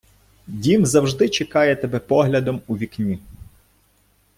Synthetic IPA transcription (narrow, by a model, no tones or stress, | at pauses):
dʲimzɐwʒd̪ɪt͡ʃekɑjɛt̪ebɛpɔɦlʲɐd̪ɔmuʋʲiknʲi